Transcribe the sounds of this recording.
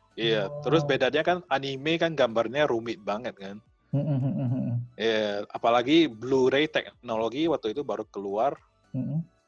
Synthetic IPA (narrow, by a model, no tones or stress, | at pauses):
iat̪əɾʊs̬bedanɲakananimekanɡambarɲaɾumɪt̪̚baŋət̪̚kan | m̩m̩ijaapalaɡibluɾejt̪ɛk̚noloɡiwat̪uit̪ubaɾukəluar | m̩m̩